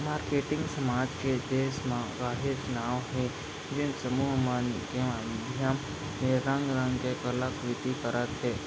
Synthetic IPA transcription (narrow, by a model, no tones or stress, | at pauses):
maːɾkeʈɪ̃ŋɡsəmad͡ʒked̪esmãɡaːɦed͡ʒnaʋɦe | d͡ʒẽsəmuɦmanḭkẽʋamd̪ʱjam | neɾə̃ŋɡɾə̃ŋɡkekəlakʋɪt̪ikəɾʔət̪ɦe